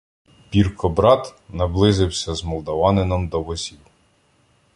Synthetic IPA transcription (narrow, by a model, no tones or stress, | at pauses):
pʲirkɔbɾɑt̪nɐblˠɪzɪwsʲɐzmɔlˠd̪ɔʋɑnɪnɔmd̪ɔbɔsʲiw